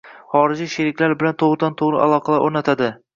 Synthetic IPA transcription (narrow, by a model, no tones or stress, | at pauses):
χɒɾɪd͡ʒiʃeɾɪkʲlaɾbɪlant̪ʰoʁɾd̪ant̪ʰoʁɾɪ̰ʔa̰lˠɒqʰɑlaʔoɾnat̪ʰad̪ɪ